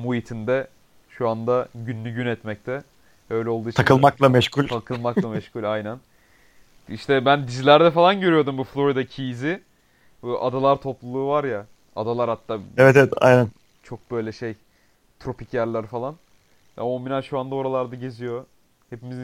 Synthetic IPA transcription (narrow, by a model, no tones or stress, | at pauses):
mujit̪ʰind̪ɛ | ʃuand̪aɟynːʲyɟynɛt̪mɛc̚t̪ʰɛ | ø̞jlʲɛo̞lˠd̪uit͡ʃt̪ʰakɯlˠmaklˠamɛʃculʲt̪ʰakʰɯlˠmak̪ˠamɛʃcʰulʲajnæn | iʃt̪ʰɛbænd̪izilʲæɾd̪ɛfalˠanɟøɾyjo̞d̪umbuflˠo̞ɾid̪acʰijzɪ | ʔad̪alˠaɾt̪ʰo̞plˠulˠuːvaɾja | a̰d̪alˠaɾhat̪ʰːaːɛvɛt̪evɛt̪ʰa̰jnæn | t͡ʃʰo̞k̚bø̞jlʲɛʃe̞j | t̪ʰɾo̞pʰicjæɾlʲæɾfalˠan | a̰mominaʃuand̪ao̞ɾalˠaɾd̪aɟe̞zijo̞ | hepimizi